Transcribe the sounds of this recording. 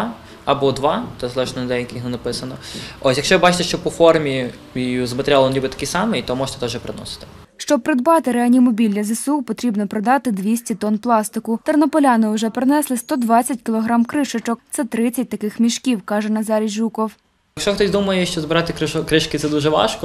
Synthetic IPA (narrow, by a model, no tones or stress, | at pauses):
ɐbɔd̪ʋɑt̪ɛzlˠɛʃnɛnd̪ɛjɐkʲɪnɛnɐpɪsɐnɔɔsʲjɐkʃt͡ʃɔʋɪbɑt͡ʃɪ̥t̪ɛʃt͡ʃɔpɔfɔrmʲi | iuzmɐt̪eɾʲalˠɔnlʲibɪt̪ɐ̥kisɑmɪit̪ɔmɔʒt̪ɛt̪ɛwʒɛpɾɪnɔ̰sɪ̥t̪ɪ̥ | ʃt͡ʃɔb̚pɾɪd̪bɑt̪ɪɾeɐnʲimɔbʲilʲːɐzesupɔt̪ɾʲibnɔpɾɔd̪ɑt̪ɪd̪ʋʲisʲtʲit̪ɔnplˠɑst̪ɪkʊt̪ɐrnɔpɔlʲɑnɪʊʒɛpɾɪnɛslˠɪst̪ɔd̪ʋɑt͡sʲːɐtʲkʲɪlˠɔɦɾɑmkɾɪʃɔt͡ʃɔkt̪sɛt̪ɾɪt͡sʲːɐt̚ʲt̪ɐkɪxmʲiʃkʲiwkɑʒɛnɐzɑɾʲiʒukɔw | jɐkʃt͡ʃɔxt̪ɔsʲd̪umɐjɛʃt͡ʃɔzbɪɾɑt̪ɪkɪkɾɪʃkɪt̪sɛd̪uʒɛʋɑ̰ʃkɔ